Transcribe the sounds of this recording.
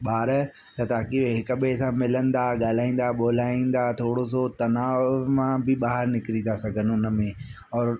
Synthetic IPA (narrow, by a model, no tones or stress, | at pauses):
ɓaːɾ | t̪ɐt̪aːkiʋeɦɪkəɓesãmɪlə̃nd̪aɠaːl̤aːĩːn̆d̪aɓoːl̤aːĩːn̆d̪aːt̪ʰoːɽos̬ot̪ɐnaːmãbɪɓaːɦəɾnɪkɪɾit̪asɐɡʱənɪʊnə̆mẽː | ɔːɾ